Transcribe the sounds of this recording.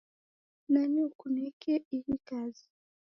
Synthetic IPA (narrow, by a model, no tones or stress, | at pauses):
naniukunɛkʰɛilikazi